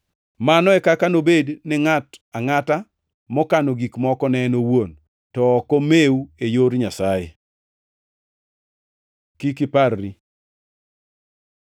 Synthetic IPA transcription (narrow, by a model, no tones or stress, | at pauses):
manɔɛkakanobednɪŋataŋata | mɔkanoɡikmɔkɔnɛnowon | tɔkomeuejoɾɲasaje | kikɪparːi